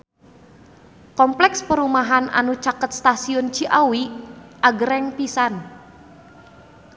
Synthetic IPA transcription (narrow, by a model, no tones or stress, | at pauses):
kɔmplɛkspəɾumaɦana̰nut͡ʃakət̪̚st̪asiʊnt͡ʃiʔawiʔaɡəɾɛŋpisan